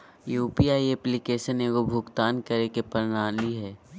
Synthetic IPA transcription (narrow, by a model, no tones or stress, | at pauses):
juːpiaːiɛplɪkeːʃəneːɡobʱʊɡt̪aːnkɐɾekepɐɾnaːliɦɛː